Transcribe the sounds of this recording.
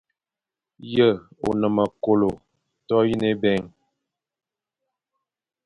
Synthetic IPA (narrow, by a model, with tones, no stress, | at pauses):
jə˦˨o̰˨nə˨mə˨ko˨lo˨ | tɔ˦ji˦ne˦bɛ˦˨ŋ